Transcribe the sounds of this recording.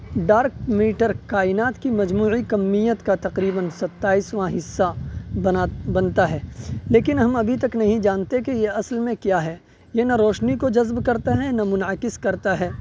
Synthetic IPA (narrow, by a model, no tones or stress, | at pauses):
ɖaːɾkmiːʈəɾkaːɪnaːt̪kimɐd͡ʒmuːikɐmːijət̪kat̪ɐqɾiːbənsɐt̪ːaːiːsʋãɦɪsːa | bɐnt̪aɦɛːleːkɪnɦɐmɐbʱit̪ɐknɐɦĩd͡ʒaːnt̪ek̬ejeɐslmẽkjaːɦɛː | jenɐɾɔːʃnikod͡ʒɐzbkɐɾt̪aɦɛnɐmʊnəkɪskɐɾt̪aɦɛː